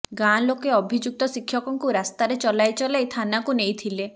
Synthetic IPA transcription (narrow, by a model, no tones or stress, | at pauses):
ɡalokeɔbʱid͡ʒuk̚t̪ɔsikʰjɔkɔŋkuɾast̪aɾet͡ʃɔlajt͡ʃɔleejt̪ʰanakunejt̪ʰile